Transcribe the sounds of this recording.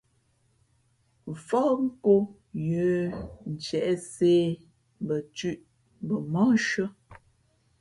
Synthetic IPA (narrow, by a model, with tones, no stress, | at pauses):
fɔ˦ŋ̩˦ko˦ | jə˨˦n̩˨t͡ʃɛ˨ʔɛ˦seː˦ | bə˨t͡ʃʉ˦ʔ | bə˨mɔ̃˦ʃə˦